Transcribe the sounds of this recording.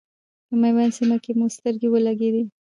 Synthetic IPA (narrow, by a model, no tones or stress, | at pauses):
əmajwansimakemust̪əɾɡewəlaɡed̪i